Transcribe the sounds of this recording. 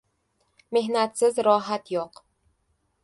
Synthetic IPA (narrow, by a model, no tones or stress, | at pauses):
mehnat̪sɪzɾɒːɦat̪joq